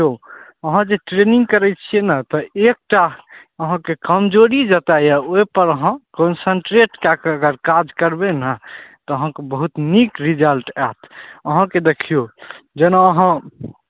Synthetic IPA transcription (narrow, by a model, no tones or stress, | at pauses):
oəɦãd͡ʒeʈɾenĩŋɡ̚kəɾɛt̪̚t͡ʃʰienət̪ɔek̚ʈa | əɦãkekəmd͡ʒoɾid͡ʒət̪ajaojpəɾəɦãkɔnsəɳʈɾeʈkakeəɡəɾkad͡ʒkəɾbenat̪ɔəɦãkebəɦut̪nikɾid͡ʒəlʈɛt̪ʰəɦãked̪ekʰijod͡ʒenaəɦã